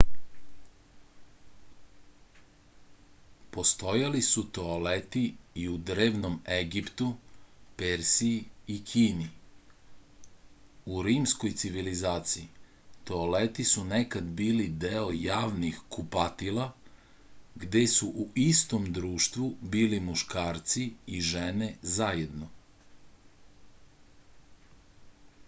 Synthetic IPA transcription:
po̞st̪o̞jalisut̪o̞alet̪iiud̪ɾeːʋnomeɡipt̪upeɾsiikʰiːni | uɾiːmsko̞jt̪siʋilizaːt̪sii | t̪olet̪isunekad̪biːlid̪eojaːʋnixkupat̪ilˠa | ɡd̪e̞suʔuist̪o̞md̪ɾuːʃt̪ʋubiːlimuʃkaːɾt̪siiʒenezajed̪no

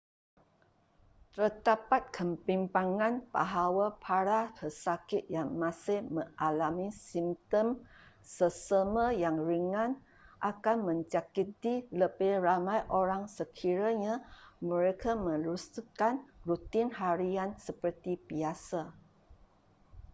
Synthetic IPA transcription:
t̪əd̪apat̪̚kʰəmpimpaŋãnba̰ɦawapʰaɾapəsakɪt̪̚jaŋmãsɪhmə̃ŋʔalamisimt̪əmsəsəməjaŋɾiŋan | ʔakanmə̃ɲt͡ʃakit̪iləbeɾamajʔoɾaŋsəkʰiɾaɲamə̃ɾekʰamə̃lust̪ukanrut̪ɪnɦaɾiansəpərt̪ibiasa

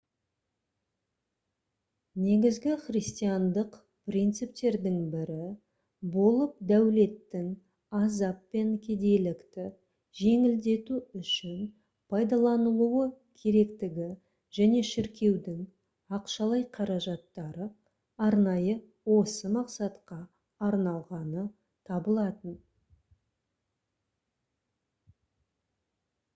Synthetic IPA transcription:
ne̞ɡʲɪzɡʲɪχrijst̪ijɑnd̪əq | prijnt̪sɨp̚t̪e̞ɾd̪ɪŋbɪɾɪ | bo̞lˠəp̚d̪æwle̞t̪ːɪŋ | ɑzɑpːe̞ŋkʲʰed̪e̞lɪkt̪ɪ | ʒe̞ŋɪld̪e̞t̪uʏʃɪn | pʰɑjd̪ɑlˠɑnəlˠuəkʲʰe̞ɾe̞kt̪ɪɡʲɪ | ʒ̥æne̞ʃɪɾkʲe̞wd̪ɪŋ | ɑqʃɑlˠɑjqʰɑɾɑʒɑt̪ːɑɾə | ɑɾnɑjə | wo̞səmɑqsɑt̪qɑː | ɾnɑlˠʁɑnə | t̪ʰɑbəlˠɑt̪ən

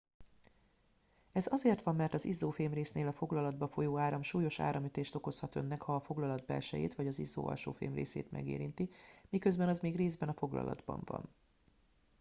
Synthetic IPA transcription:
ɛzɒzeːrt̪ʋɒmːɛrt̪ɒzizːoːfeːmreːsneːlɒfo̞ɡlɒlɒd̪̚bɒfo̞joːaːɾɒmʃuːjo̞ʃa̰ːɾɒmyt̪eːʃt̪o̞ko̞shɒt̪ø̞̰nːɛkhɒːfo̞ɡlɒlɒd̪bɛ̰lʃɛjḛːt̪ʋɒɟɒzizːo̰ːɒ̰lʃoːfḛːmrḛːsḛːt̪mɛ̰ɡḛːɾint̪imikø̞zbɛnɒzmeːɡreːzbɛnɒfo̞ɡlɒ̰lɒ̰d̪bɒ̰ɱvɒ̰n

